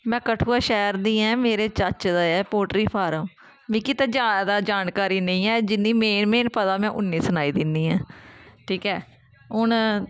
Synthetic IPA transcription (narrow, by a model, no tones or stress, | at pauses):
mɛ̃ːkəʈʰuːaːʃɛːəɾd̪ĩːɛ̃ːmeːɾeːt͡ʃət͡ʃd̪aːɛːpoːʈɾiːpʰaːɾəm | mĩːkɪt̪ãːd͡ʒaːd̪ad̪aːd͡ʒaːnkaːɾiːnə̃ĩːɛːd͡ʒɪnːiːmeːnmẽːnpət̪aːmɛ̃ːʔʊnːiːsənaːiːd̪ɪnd̪iːãːʈʰiːkɛː | ɦʊɳ